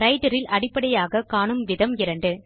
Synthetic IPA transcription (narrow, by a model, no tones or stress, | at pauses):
ɾɐɪʈɐɾɪlʔɐɽɪpːɐɽɐjaːɣɐkaːɳɯmʋɪðɐmɪɾɐɳɖɯ